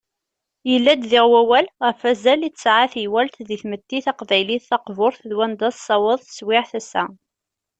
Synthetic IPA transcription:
jəlːæd̪ðɪʁwæwælʁəfæzælitːəsʕaθjwælt̪ðiθmət̪ːiθɑqvæjliθθɑqvʊɾθðwænd̪ɑssˤɑwəðˤθə̥swɪʕθæsːæ̰

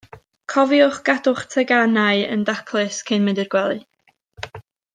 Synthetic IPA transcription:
kʰɔvjʊχɡ̥adʊχtʰɛɡanaɨə̰ndakʰlˠɨskʰɪnmɪndɪrɡ̥wɛlˠɨ

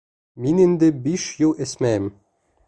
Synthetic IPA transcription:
minɘnd̪ɘ̆biʃjulˠɘ̆sʲmæɘm

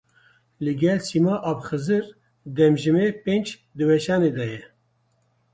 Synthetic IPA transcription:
lɨɡɛlsimaːʔabxɨzɨɾ | d̪ɛmʒɨmepend͡ʒ | d̪ɨwɛʃɑːneːd̪ɛjɛ

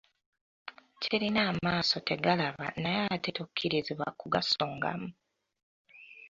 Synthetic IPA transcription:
ciɾinaːmaːso̞te̞ɡalaβa̰najaːtetokʰːiɾiziβwa̰kuɡaso̞ːŋɡa̰mu

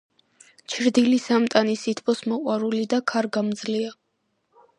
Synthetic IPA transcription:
t͡ʃʰɾd̪ilisamt̪ʼanisit̪ʰbʰɔsmɔqʼwaɾulid̪akʰaɾɡamd̪zlia

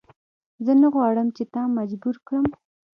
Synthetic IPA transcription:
zənaɣwɑɽəmt͡ʃet̪ɑmad͡ʒbuɾkɽəm

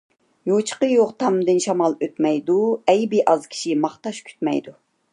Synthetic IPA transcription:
jot͡ʃʰə̥qəjoʁt̪ʰɑmd̪ɨnʃɑmɑlˠøt̪mɛjd̪uɛjbɪʔɑzkʲʰi̥ʃimɑχt̪ɑʃkʲʰy̥t̪mɛ̰jd̪u

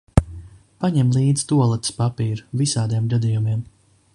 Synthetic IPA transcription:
paɲɛmlˠiːd̪z̥t̪uɔlˠat̪spapiːɾuvisaːd̪ijɛmɡad̪ijumiɛm

